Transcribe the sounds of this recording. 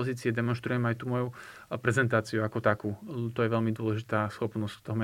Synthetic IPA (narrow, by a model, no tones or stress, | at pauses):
ɔziːt͡siɛd̪ɛmɔnʃt̪ɾujɛmajt̪umɔjupɾɛzɛnt̪aːt͡siuakɔt̪akuːt̪ɔjɛʋɛlmid̪ʊɔlɛʒit̪aːsxɔpnɔst̪ɔɦɔmɛ